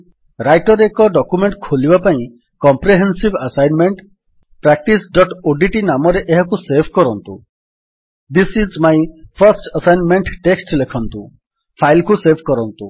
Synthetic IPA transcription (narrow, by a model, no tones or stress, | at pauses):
ɾajʈɔɾekɔɖɔkumeɳʈkʰolibapaĩ | kɔmpɾeɦensibasajnmeɳʈ | pɾak̚ʈisɖɔʈoɖiʈinamɔɾeʔeɦɔkusebʰʱkɔɾɔnt̪ṵ | d̪isizmajpʰɐɾsʈəsajnmeɳʈʈeksʈlekʰɔnt̪u | pʰajlkusebʰʱkɔɾɔnt̪u